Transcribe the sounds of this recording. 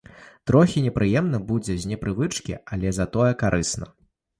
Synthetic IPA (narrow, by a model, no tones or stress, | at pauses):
t̪ɾɔxʲinʲɛpɾʔɨjɛmnɐbud͡zʲɛzʲnʲɛpɾɨvɨt͡ʂkʲḭalʲɛzɐt̪ɔjɛkaɾʔɨsnɐ̰